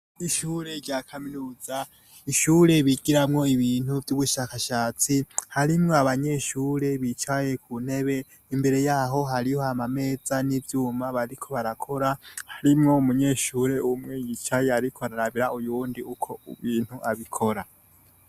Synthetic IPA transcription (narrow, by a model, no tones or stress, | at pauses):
iʃuːɾe̞ɾɟaːkʰaminuːza | iʃuːɾe̞βiɡiɾamŋo̞iβiːn̥uvjuβuʃakaʃaːt͡sihaɾimŋoaβaɲe̞ːʃuːɾe̞βit͡ʃaje̞kʰun̥he̞βe̞ | imbe̞ɾe̞jaːɦo̞ɦaɾihoamame̞ːzanivjuːmaβaɾikʰo̞βaɾakʰo̞ɾahaɾimŋo̞umuɲe̞ːʃuːɾe̞umŋejit͡ʃajeaɾikʰoaɾaɾaβiɾaʔujuːndiukʰo̞uβiːn̥huʔaβikʰoɾa